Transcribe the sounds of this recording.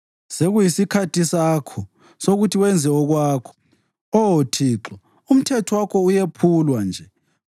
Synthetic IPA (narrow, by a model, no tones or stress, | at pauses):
seɣujisikʰatʰisaːkʰɔ | soɣutʰiwɛnd͡zʱɛɔɣwaːkʰɔ̥ | ɔotʰiːǁɔ | um̩tʰɛtʰɔwakʰɔujepʰulwand͡ʒʱɛ